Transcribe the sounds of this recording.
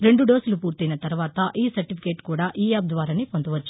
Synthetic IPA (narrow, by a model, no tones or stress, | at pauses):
ɾe̞ɳɖuɖo̞ːsɐlupuːɾt̪inɐt̪ɐɾuʋaːt̪ɐʔiːsɐɾʈipʰi̥keːʈkuːɽaːʔiːjaːp̚d̪ʋaːɾɐnepond̪uʋɐt͡ʃːu̥